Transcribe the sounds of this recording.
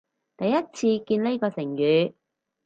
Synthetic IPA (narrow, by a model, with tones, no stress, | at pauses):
t̪ɐ˨jːɐ˥t̚t͡sʰiː˧kiː˧nle˥jkɔː˧sɪ˨˩ŋjyː˨˧